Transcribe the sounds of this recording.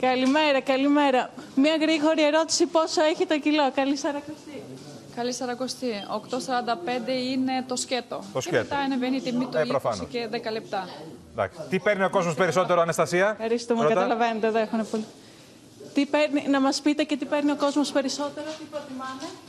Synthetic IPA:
kɐlime̞ɾɐkɐlime̞ɾɐmɲɐɣɾiɣo̞ɾie̞ɾo̞t̪i̥sipo̞so̞eçit̪ocilo̞kɐlisɐɾɐko̞st̪i | kɐlisɐɾɐko̞st̪iokt̪osɐɾɐnd̪ɐpe̞nd̪e̞ine̞t̪o̞sce̞t̪ot̪oset̪t̪ɐinevenit̪imit̪ɾofɐnseðekɐlep̚t̪ɐd̪ɐ̰ksi̥t̪ipeɾnio̞ko̞zmospeɾiso̞t̪eɾoɐnest̪ɐsiɐfɐɾist̪umekɐɐɐlɐve̞net̪eðoexunepoli | t̪ipeɾninɐmɐspit̪ece̞t̪ipeɾnio̞ko̞zmospe̞ɾiso̞t̪e̞ɾot̪ipɾot̪imɐne

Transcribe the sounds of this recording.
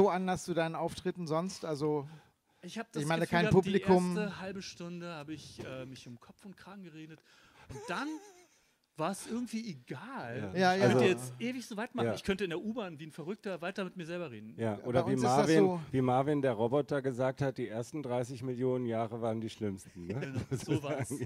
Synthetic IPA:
zoʔandɐst͡suːdaɪnənʔaʊftʁ̥ɪtn̩zɔnstʔalzo | ɪçhaːbədɪçmaɪnəkkʰaɪ̃pʰuːpilikeʊɐmmstəhalbəʃtʊndəhaːbəɪçʔɛːmɪçʊmkʰɔpfʊntkʁ̥aːɡŋ̩ɡəʁeːdət | ʔʊnt̚d̥an | v̥aːɐɛsʔɪɐɡŋ̩tv̥iːeɡaːlaːjaːalœnzoəjɛt͡stʔeːvɪçz̥oːvaɪtmanːaːɪçkʰœntəɪndeːɐʔuːbaːnviːnfɛɐʁʏk̚tɐvaɪtɐmɪtmiːɐzɛlbɐʁeːdn̩jaːʔoːdɐviːmavinviːmaɐvindeːɐʁɔbɔtɐɡəzaːk̚that̚d̥iːʔeːɐstn̩dʁaɪs̬ɪçmɪljoːnənjaːʁəvaːʁəndiːʃlɪmstn̩nəzozzvaaːŋ

